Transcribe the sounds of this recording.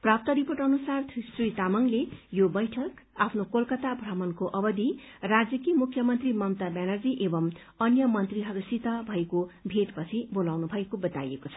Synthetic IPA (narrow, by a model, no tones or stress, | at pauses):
prap̚t̪ʌɾiporʈʌnusart̪ʰsrit̪amʌŋlejobʌjʈʰʌkapʰnokolkʌt̪abʱramʌnkoʔʌbʌd̪i | rad͡zjʌkimukʰjʌmʌnt̪rimʌmt̪abanʌrd͡ziʔebʌm | ʌnjʌmʌnt̪riɦʌɾusit̪ʌbʱʌekobʱeʈpʌt͡sʰibolawnubʱʌekobʌt̪a̰jekot͡sʰʌ̥